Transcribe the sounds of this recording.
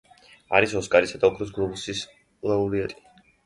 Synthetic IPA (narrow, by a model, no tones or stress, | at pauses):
a̰ɾisɔskʼaɾisad̪aɔkʰɾɔs̬ɡlˠɔbusis | lˠauɾiat̪ʼi̥